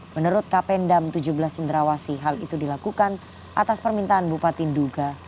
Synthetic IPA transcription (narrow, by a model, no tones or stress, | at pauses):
mənəɾʊt̪̚kapɛndamt̪ud͡ʒubəlast͡ʃəndəɾawasiɦalit̪udilakukan | ʔa̰t̪aspərmint̪aanbupat̪ɪnduɡa